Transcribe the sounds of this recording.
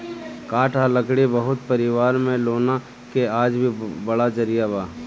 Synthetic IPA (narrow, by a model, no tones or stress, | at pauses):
kaːʈʰaləkɽibɐɦʊt̪pɐɾɪʋaːɾmẽloːna | keaːd͡ʒbʱibɐɽad͡ʒɐɾijabaː